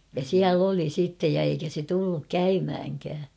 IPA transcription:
jɑ siæl oli sitːej jɑ eikæ se tulːuk kæymhæŋkæː

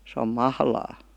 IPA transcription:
se om mɑhlɑː

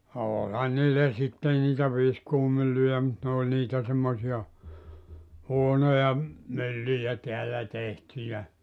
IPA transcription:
oːlʲhɑn niːlːæ sitːen niːtæ ʋiskuːmylːyjæ mut nĕ oˑlʲ niːtæ semːosiɑ huonojɑ mylːyjæ teælːæ tehtyjæ

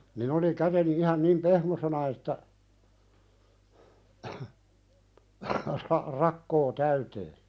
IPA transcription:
nin oli kæteni ihɑn nim pehmosenɑ etːæ rɑ rɑkːoː tæyteː

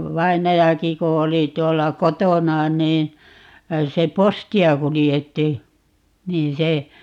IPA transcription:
ʋɑinɑjɑki ku oli tuolːɑ kotonɑ niː se postiɑ kulijetːi niː se

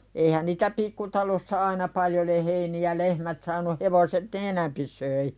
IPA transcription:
eihæn niːtæ pikːutɑlosːɑ ɑinɑ pɑljo le heiniæ lehmæt sɑːnu heʋoset ne enæmpi soi

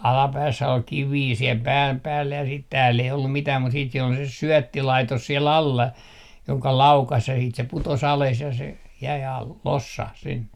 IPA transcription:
ɑlɑpæːsːæ ol kiʋiː siel pæːm pæːlːæ jɑ sit tæːlː ei olːum mitæː mut siːt siel ol se syœˑtːilɑitos siel ɑlːɑ joŋkɑ lɑukɑs jɑ siːt se putos ɑles jɑ se jæi ɑl losːɑh sinːe

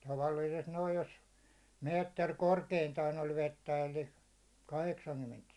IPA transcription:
tɑʋɑli̥isest noij jos meːtːer korkeintɑːn olʲ ʋetːæ elːi kɑheksɑŋkymːent

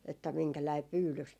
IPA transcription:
etːæ miŋkælæi pyːlys

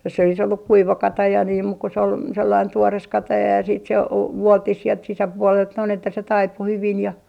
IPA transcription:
jos se olis olːuk kuiʋɑ kɑtɑjɑ niːm muk se ol selːɑin tuores kɑtɑjɑ jɑ siːt se o ʋuoltːih sielt sisæpuolelt noin etːæ se tɑipu hyʋin jɑ

